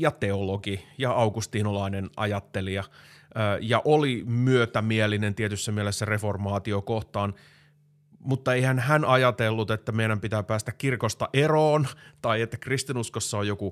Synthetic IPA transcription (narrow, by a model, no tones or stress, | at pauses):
jɑt̪eoloɡijɑɑuɡust̪iːnolɑinenʔɑ̰jɑt̪ːeliɑøːjɑʔolimyøt̪æmielinent̪iet̪ysːæmielesːæreformɑːt̪iokoht̪ɑːn | mut̪ːɑeihænhænʔɑjɑt̪elːut̪et̪ːæmeiɾæmpit̪æːpæːst̪ækkirkost̪ɑʔeroːnt̪ɑiet̪ːækrist̪inuskosːɑojoku